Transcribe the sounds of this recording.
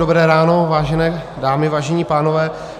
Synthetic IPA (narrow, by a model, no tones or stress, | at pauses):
obɾɛːɾaːnovaːʒɛnɛː | daːmɪvaːʒɛɲiːpaːnovɛː